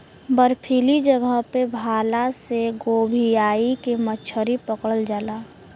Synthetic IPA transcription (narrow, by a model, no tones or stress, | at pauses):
bəɾpʰiːlid͡ʒəɡəɦpebʱaːlaseɡoːbʱijaːikemət͡ʃʰəɾipəkəɽəld͡ʒaːlaː